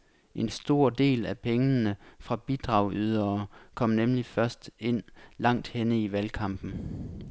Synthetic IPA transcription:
ʔe̝nsd̥o̝ɐ̰d̥e̝̰ːlæpʰeŋənəfʁɑ̈b̥id̥ʁɑ̈ʊ̰yð̞ˠɐːkʰɒ̽m̰nemlifɶɐsd̥e̝n̰lɑ̈ŋ̰d̥henəiʋælkʰɑ̈m̰b̥n̩

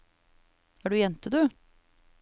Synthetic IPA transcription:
æːɖʉːjɛnt̪əd̪ʉ

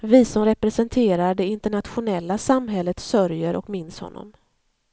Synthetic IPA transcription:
vɪsɔmɾɛpɾɛsɛnt̪ʰeːɾaɖɛɪnt̪əɳat̪ɧʊnɛlːasamɦɛlːət̪sœɾjəɾʔɔ̰kmɪnshɔ̰nːɔ̰m

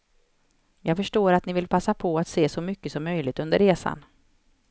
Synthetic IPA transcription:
jɑːɡfœʂʈoːɾat̪nɪvɪlpʰasːapʰɔat̪seːsɔmʏkːəsɔmːœjlɪɡ̚t̪ɵnd̪ə̰ɾːeːsa̰n

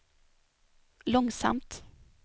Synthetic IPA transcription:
lɔŋsa̰mt̪

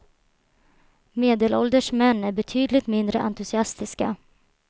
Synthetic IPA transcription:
meːd̪eːlɔld̪əʂmɛnːæɾbɛt̪ʰyːd̪lɪɡt̪mɪnd̪ɾəʔant̪ɵsɪast̪ɪska

